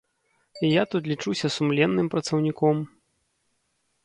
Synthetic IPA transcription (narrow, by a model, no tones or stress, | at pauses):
ijat̪ut̪lʲit͡ʂusʲɐsumlʲɛnːɨmpɾɐt̪sɐwnʲikɔm